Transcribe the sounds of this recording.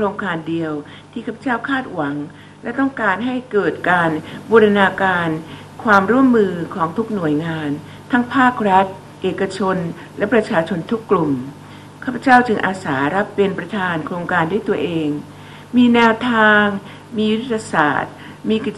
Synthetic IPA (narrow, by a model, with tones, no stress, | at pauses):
kʰɾoː˧ŋkaː˧ndi˧əw | t̪ʰiː˥˩kʰaː˥˩pʰːa˧t͡ɕaː˥˩wkʰaː˥˩t̪̚wa˩˦ŋ | lɛ˦˥t̪ɔ˥˩ŋkaː˧nɦa˥˩jkɤː˨˩t̪̚kaː˧nboː˧ɾa˧naː˧kaː˧n | kʰwaː˧mɾu˥˩əmːɯː˧kʰɔː˩˦ŋt̪ʰu˦˥k̚nu˨˩əjŋaː˧n | t̪ʰa˦˥ŋpʰaː˥˩k̚ɾa˦˥t̪̚ | ʔeː˨˩kːa˧t͡ɕʰo˧n | lɛ˦˥pɾa˧t͡ɕʰaː˧t͡ɕʰo˧nt̪ʰu˦˥kːlu˨˩m | kʰaː˥˩pʰːa˦t͡ɕaː˥˩wt͡ɕɯ˧ŋʔaː˧saː˩˦ɾa˦˥pːe˧npɾa˧t̪ʰaː˧nkʰɾoː˧ŋkaː˧ndu˥˩əjt̪u˧ɐʔeː˧ŋ | miː˧nɛː˧wt̪ʰaː˧ŋ | miː˧ju˥t̪ʰt̪ʰːa˧sa̰ː˨˩t̪̚ | miː˧ki˨˩